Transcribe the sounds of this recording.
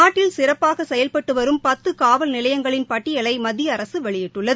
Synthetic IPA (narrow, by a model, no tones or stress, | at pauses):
aːʈːɪlsɪrɐpːaːɣɐsɛjɐlpɐʈːɯʋɐɾɯmpɐt̪ːɯkaːʋɐlnɪlɐjɐŋɡɐɭɪnpɐʈːɪjɐlɐɪmɐðɪjɐːɾɐsɯʋɛɭɪjɪʈʈːɯɭːɐðɯ